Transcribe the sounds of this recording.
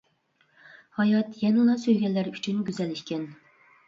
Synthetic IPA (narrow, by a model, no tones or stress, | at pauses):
hɑjɑt̪jɛnɨlˠɑsøjɡʲɛlːæɾyt͡ʃʰynɡʲyzɛlːɪʃkʲɛn